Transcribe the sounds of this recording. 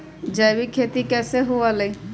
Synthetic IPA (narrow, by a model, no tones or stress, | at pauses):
d͡ʒajbikʰet̪ikɛːseɦuale